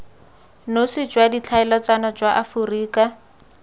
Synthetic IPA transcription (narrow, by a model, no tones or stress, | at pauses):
nosid͡ʒwadit͡ɬʰaɛlɔt͡sanɔd͡ʒwaʔafuriːka